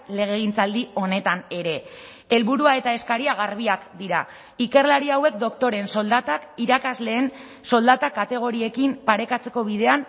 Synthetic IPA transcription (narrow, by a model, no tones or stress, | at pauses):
le̞ɣ̞e̞ɣ̞int͡sald̪io̞ne̞t̪ane̞ɾe̞ | elβuɾuae̞t̪ae̞skaɾiaɣ̞aɾβ̞iakd̪iɾa̰ | ike̞rlaɾiawe̞kd̪o̞kt̪o̞ɾe̞nso̞ld̪at̪akiɾakazle̞ːn | so̞ld̪at̪akat̪e̞ɣ̞o̞ɾie̞kimpaɾe̞kat͡se̞ko̞βið̞e̞an